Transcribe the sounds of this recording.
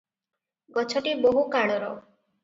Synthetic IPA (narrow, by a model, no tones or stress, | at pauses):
ɡɔt͡ʃʰɔʈiboɦukaɭɔɾɔ